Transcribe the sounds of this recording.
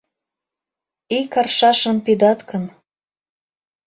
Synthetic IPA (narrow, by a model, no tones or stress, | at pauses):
ikɑrʃɑʃənpid̪ɑt̪kən